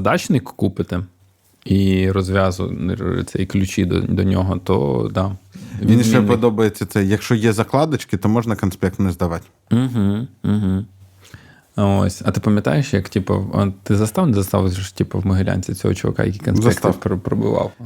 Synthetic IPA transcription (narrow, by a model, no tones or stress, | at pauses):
d̪ɑt͡ʃnɪkkupɪt̪ɪ | irɔzʋʲɑzʊ̰t̪sʲɛ̰jklʲʉt͡ʃid̪̰d̪ɔnʲɔɦɔt̪ɔ̰d̪ɑʋʲinʃɛpɔd̪ɔbɐjet͡sʲːɐt̪sɛjɐkʃt͡ʃɔjɛzɐklˠɑd̪ɐt͡ʃkɪt̪ɔmɔʒnɐkɐnspʲɛk̚t̪nɛzd̪ɐʋɑtʲ | m̩ɦ̩ɦ̩ | o̰sʲɐt̪ɪpɐmʲjɐt̪ɑ̰jeʃjɐktʲipɐ̰ɐ̰t̪ɪzɐst̪ɑʋnɪzɐst̪ɑ̰ʋˠzʲtʲipɐwmɐɦɪlʲa̰nʲt͡sʲit͡sʲɔ̰ɦɔ̰t͡ʃɔʋɐ̰kɑ̰jɐ̰kʲikɔnszpɛskt̪ɐppɾɔbʊ̰ʋɑ̰w